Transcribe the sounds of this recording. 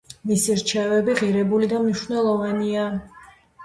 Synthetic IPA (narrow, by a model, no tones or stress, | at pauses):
misiɾt͡ʃʰɛvɛbiʁiɾɛbulid̪amniʃvnɛlˠɔvania